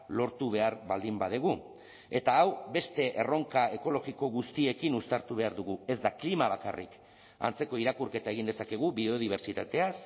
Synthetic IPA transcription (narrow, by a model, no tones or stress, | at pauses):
lo̞ɾt̪uβe̞aɾβald̪imbað̞eɣ̞u | e̞t̪aːwbe̞st̪e̞ʔero̞ŋkae̞ko̞lo̞ɣiko̞ɣust̪ie̞kinust̪aɾt̪uβe̞aɾðuɣue̞zd̪aklimaβ̞aka̰rḭk | a̰nt͡se̞ko̞iɾakuɾke̞t̪ae̞ɣind̪esake̞ɣ̞ubio̞ð̞iβ̞e̞ɾt͡ʃit̪at̪e̞as